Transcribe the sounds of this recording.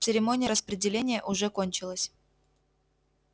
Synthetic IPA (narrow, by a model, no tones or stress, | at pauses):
sɨɾʲɪmo̞nʲɪjəɾəspɾʲɪdʲɪlʲenʲɪjəʔʊʐɛkonʲt͡ɕɪlˠəsʲ